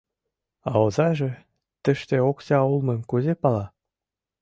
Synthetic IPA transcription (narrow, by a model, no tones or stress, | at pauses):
ɑozɑʒĕ | t̪ə̆ʃt̪eoksɑulˠmɤ̆mʲkuzepɑlɑ